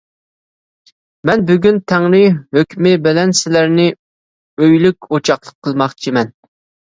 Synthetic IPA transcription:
mɛnbyɡʲynt̪ʰɛŋlɪhøkʲmɪbɪlɛnsɪlæɾnɪ | øjlykʲot͡ʃʰɑχlˠəqʰːəlˠmɑχt͡ʃʰimɛn

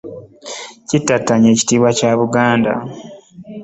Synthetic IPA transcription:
citːatːaɲe̞ːci̥tiːβwacaːβuɡaːnda̰

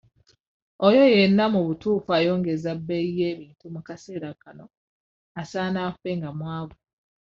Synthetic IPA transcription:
ojojenːamuβutuːfajo̞ːŋɡezabːeieːβiːntumukase̞ːɾakano | asaːnafeŋɡamwaːβe

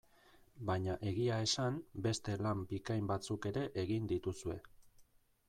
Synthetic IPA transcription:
baɲaʔe̞ɣiae̞sambe̞st̪e̞lambikajmbat͡suke̞ɾe̞ʔeɣind̪it̪usue̞̰

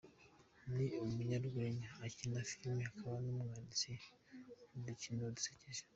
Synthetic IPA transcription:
niumuɲaɾɡeɲaːcinafilmihakʰaβanumŋanisi | udicinoduseceʒe̥

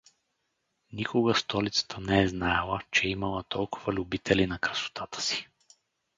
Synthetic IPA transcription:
nikʊɡəst̪ɔlit̪sə̥t̪ʰənɛɛznajlˠət͡ʃɛimɐlˠət̪ɔlˠkʊvəlʲubit̪ʰɛlinɐkɾəso̥t̪ʰat̪ə̥si̥

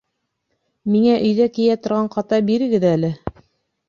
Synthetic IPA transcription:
miŋæʔɵ̆jðækijæt̪ŏɾʁɑɴqɑt̪ɑbiɾɘ̆ɡɘðælɘ

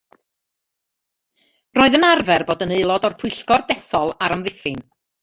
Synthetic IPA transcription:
roːɨðənarvɛrboːdəneɨlˠɔdɔrpʰʊɨɬkɔrdɛθɔlˠaɾamðɪfɪn

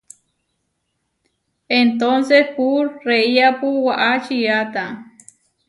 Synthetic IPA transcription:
ent̪onsehpuɾreiapuwaʔat͡ʃiat̪a

